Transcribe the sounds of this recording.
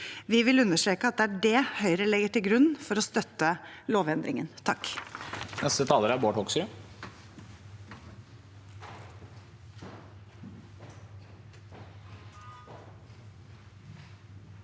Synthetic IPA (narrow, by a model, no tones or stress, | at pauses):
ʋɪʋɪlʉnːəʂʈɾeːkəɑt̪̚d̪ɛːæɖɛhœʏɾəlɛɡəʈɪlɡɾʉnːfɔɾɔst̪œt̪ːəloːʋɛnd̪ɾɪŋə̰nt̪ʰɑkː | nɛst̪ət̪ʰɑːləɾæboːʈhɔksʏ